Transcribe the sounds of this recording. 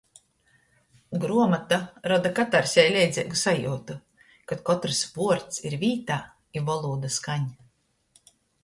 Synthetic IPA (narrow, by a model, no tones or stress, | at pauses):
ɡɾuɔmat̪aɾɔd̪akat̪aɾsʲɛjlʲɛjd̪zʲɛːɡusajṵːt̪u | kat̪̚kɔt̪ɾspuɔɾt̪siɾviːt̪aː | ivɔlˠuːd̪askaɲ